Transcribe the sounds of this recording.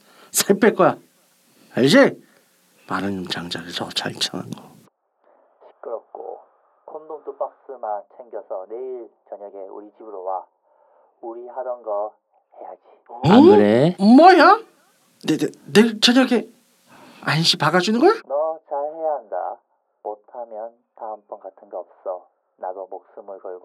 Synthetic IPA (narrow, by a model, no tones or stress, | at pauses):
sʰepʰek͈oja | aɭd͡ʑe | manɯɲimt͡ɕaŋd͡ʑaɡesʰʌt͡ɕa̰ɭt͡ɕʰaŋa̰nɡʌ | ɕʰi̥k͈ɯɾʌk͈o̰ | kʰondoŋtop͈ak̚s͈ɯmant͡ɕʰeŋɡjʌsʰʌneiɭt͡ɕʌɲʌɡeṵɾid͡ʑibɯɾowa | uɾihaɾʌnɡʌ | he̞jad͡ʑiɾemʌja | nednet͡ɕʌɲʌɡe | anɕ͈ʰipaɡad͡ʑunɯnɡʌjnʌt͡ɕaɭhe̞jaɦanda̰ | motʰamjʌn | taːmp͈ʌnɡatʰɯnɡeʌp̚s͈ʌ | naɡomok̚s͈ɯmɯɭkʌɭɡo